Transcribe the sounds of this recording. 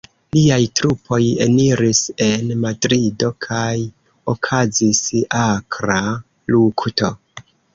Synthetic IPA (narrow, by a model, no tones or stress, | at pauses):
liajtɾupʰo̞je̞̰niɾise̞nmadɾido̞kʰaj | o̞kʰazisakɾa | lukto̞